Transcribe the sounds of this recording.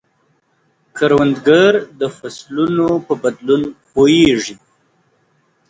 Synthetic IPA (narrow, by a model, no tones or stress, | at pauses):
kʰaɾwand̪ɡaɾd̪əfaslunopəbad̪lunxoeʐi